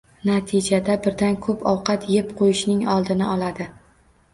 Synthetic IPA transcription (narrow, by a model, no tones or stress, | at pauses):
nat̪ʰɪd͡ʒad̪abɪɾd̪ankʰɵpʰɒwqɑt̪ʰjepqʰojɪʃnɪŋɒlˠd̪ɪnɪʔɒlad̪ɪ